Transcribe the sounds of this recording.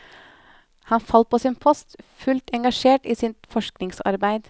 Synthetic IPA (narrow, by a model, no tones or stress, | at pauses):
hɑnfɑl̚pʰoːsiːnpʰɔst̪fʉlt̪ɛŋɡɑʃeːʈiːsɪt̪fɔʃknɪŋsɑ̰ɾbæɪd̪